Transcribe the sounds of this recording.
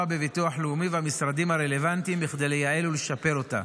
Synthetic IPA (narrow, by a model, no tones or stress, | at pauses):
abe̞vituaħleumivehamisɾad̪imhaʁele̞vant̪imbiχd̪ejlejaeluleʃape̞ʁo̞ta̰